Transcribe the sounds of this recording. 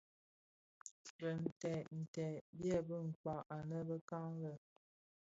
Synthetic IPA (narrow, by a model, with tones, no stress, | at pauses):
bə˨n̩˨tɛ˨n̩˨tɛ˨bjɛ˦˨bə˦ŋ̩˨k͡pa˨ʔa˨nə˦bə˦ka˦ŋlə˦˨